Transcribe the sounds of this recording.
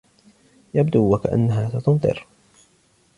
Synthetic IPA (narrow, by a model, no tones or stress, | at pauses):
jabd̪uːwakaʔa̰nːaɦaːsat̪ʊnt̪ˤɨ̰ɾ